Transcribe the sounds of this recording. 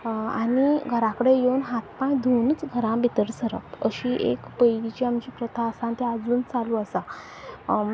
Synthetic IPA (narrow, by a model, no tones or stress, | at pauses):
a̰ɽiɡʱəɾãkəɽejewnɦat̪̚pãĩd̪ʱonət͡sɡʱəɾãbʱit̪əɾsəɾə̰pəɕiːʔḛkpəjɡit͡ɕiamt͡ɕiːpɾət̪ʰasãnt̪ead͡zuːnt͡saluəsa